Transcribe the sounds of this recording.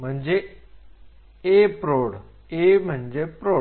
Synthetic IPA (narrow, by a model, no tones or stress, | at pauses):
m̤əɳd͡ze | epɾoɽ | em̤əɳd͡ʑepɾo